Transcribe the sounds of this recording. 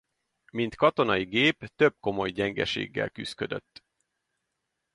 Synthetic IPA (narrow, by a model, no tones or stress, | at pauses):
mint̪kɒt̪o̞nɒjiɡeːpt̪ø̞b̚ko̞mo̞jɟɛŋɡɛʃḛːɡːɛ̰lkyskø̞d̪ø̞̰t̪ː